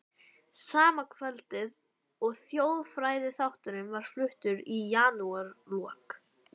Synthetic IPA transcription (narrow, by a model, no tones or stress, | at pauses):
saːmakʰvɛlt̪ɪð | ɔɣθjoːwðfɾaːjðɪθawht̪ʏɾʏmvaɾ̥flʏht̪ʏɾijaːnuaɾlɔːk